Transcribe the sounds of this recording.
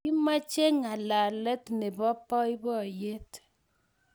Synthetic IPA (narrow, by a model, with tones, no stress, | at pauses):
i˦ma˦t͡ʃe˦ŋa˨la˨lɛ˦tnɛ˨bɔ˦pɔ˦i˦bɔ˦˨je˦t